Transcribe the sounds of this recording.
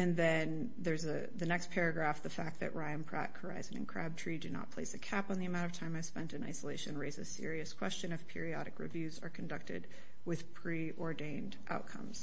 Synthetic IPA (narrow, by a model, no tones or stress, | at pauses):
ɨ̃nðɨ̃n | ðə˞zɨ | ðɨnɛkspʰɛɹɨɡɹæfðɨfæk̚t̪̚ðɨ̰ʔɹaɪɨ̃npʰɹ̥æ̰t̚kʰə˞a̰ɪzɨ̃nɨ̰̃nkʰɹ̥æb̚tʰɹ̥idɨnə̰t̚pʰl̥eɪsɨkʰæpn̩ðiɨmãɾ̃ʌv̥tʰãɪ̃maɪv̥spɛ̃ntɨ̃na̰ɪsəleɪʃɨ̃nɹeɪzɨ̰̥sɪ̰ɹiɨskʰw̥ɛst͡ʃɨ̃ñʌv̥pʰɪ̰ɹiɑɾɨkɹɨ̰vjʉzə̰˞kʰɨ̃n̩dʌk̚tɨ̰d̚ | wɪð̥pʰɹ̥i | ʔɔɹdẽɪ̃ndʔa̰ʊt̚kʰʌ̰̃mz̥